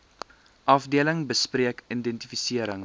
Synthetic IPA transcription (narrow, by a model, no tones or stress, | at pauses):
ʔɐfdiələŋbəspriəkindɛntifisiəɾəŋ